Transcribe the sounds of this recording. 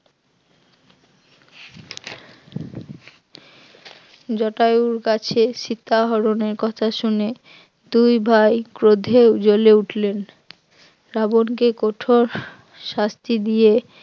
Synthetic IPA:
d͡ʑɔʈajuɾkat͡ɕʰeʃit̪ʰːaɦɔɾoneɾkɔt̪ʰaʃune | d̪ujbʱajkɾod̪ʱewd͡ʑoleuʈʰlen | ɾabonkekoʈʰoɾ | ʃast̪id̪ije

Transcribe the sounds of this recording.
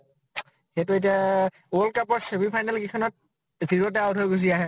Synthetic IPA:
xetʊet̬ia | lkapɔɹsebipʰajnalkikʰɔnɔt̚ | ziɹɔtɛawtʰɔɡus̬iaɦɛ

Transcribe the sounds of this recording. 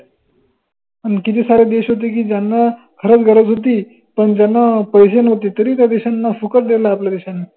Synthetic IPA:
əɳkit̪iːsaɾed̪eɕɦot̪iːk̬iːd͡ʑjanːa | kʰəɾət͡sɡʱəɾəd͡zɦot̪̬iː | pəɳd͡ʑjanːapəjsenəɦot̪iːt̪əɾiːt̪jad̪eɕanːafukəɾd̪elaːplad̪eɕanːi

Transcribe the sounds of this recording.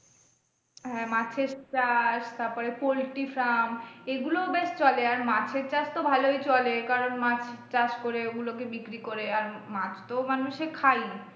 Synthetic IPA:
ɦɛmat͡ɕʰeɾt͡ɕaʃt̪aɾpɔɾepolʈifɾameɡulobeʃt͡ɕɔleaɾmat͡ɕʰeɾt͡ɕaʃt̪obʱalojt͡ɕɔlekaɾonmat͡ɕʰt͡ɕaʃkoɾeoɡulokebikɾikoɾeaɾmat͡ɕʰt̪omanuʃekʰaji

